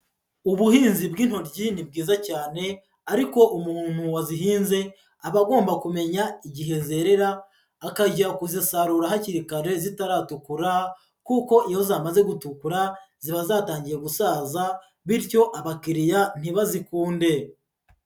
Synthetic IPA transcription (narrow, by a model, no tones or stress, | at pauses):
uβuhiːnzibɡiːn̥ho̞ɾɟinib̚ɡiːzacaːne̞ | aɾiko̞ʔumuhuːn̥huwaziɦiːnze̞ | aβaɡo̞ːmbakume̞ɲaiɟiɦe̞ze̞ɾe̞ɾaː | kaɟakuzisaɾuɾahaciɾikaɾe̞zitaɾaːtukuɾa | kuːko̞ʔijozaːmaze̞ɡutukuɾaz̥iβazaːtaːɲɟije̞ɡusaːza | βiɾco̞ʔaβakiɾijan̥iβazikuːnde̞